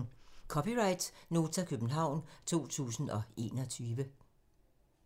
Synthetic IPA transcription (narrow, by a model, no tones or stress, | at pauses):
kʰɒ̽piʁɑ̈ɪd̥no̝ːt͡sʰækʰøb̥n̩ɦɑ̈ʊ̰nt͡sʰo̝̰ːt͡sʰṵːsn̩ɒ̽e̝̰ːnɒ̽t͡sʰyːʋə